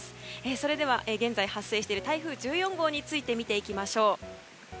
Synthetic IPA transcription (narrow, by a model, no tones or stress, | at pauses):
sɨ̥eːso̞ɾe̞d̪e̞β̞aʔeːɡẽ̞nd͡zaihasːe̞ːɕi̥t̪eiɾɯ̟t̪aiɸɯ̟ːd͡ʑɨːjõ̞ŋɡo̞ːɲ̟it͡sɨit̪e̞mʲit̪e̞ikʲimaɕo̞ː